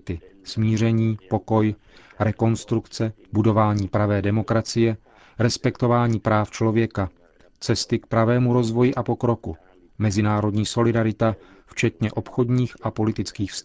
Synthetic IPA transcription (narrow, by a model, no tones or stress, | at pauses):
t̪ɪsmiːr̝ɛɲiːpo̞ko̞j | ɾɛko̞nst̪ɾukt͡sɛbudo̞vaːɲiːpɾavɛːdɛmo̞kɾat͡sɪjɛ | ɾɛspɛkt̪o̞vaːɲiːpɾaːft͡ʃlo̞vjɛka | t͡sɛst̪ɪk̚pɾavɛːmuɾo̞zvo̞jɪʔapo̞kɾo̞ku | mɛzɪnaːɾo̞dɲiːso̞lɪdaɾɪt̪a | ft͡ʃɛt̪ɲɛʔo̞pxo̞dɲiːxʔapo̞lɪt̪ɪt͡skiːxfst̪